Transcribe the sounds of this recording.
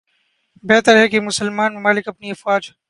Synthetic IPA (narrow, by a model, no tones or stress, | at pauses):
bɛɦt̪əɾɦɛkemʊsəlmaːnmʊmaːlɪkɐpniɐfwaːd͡ʒ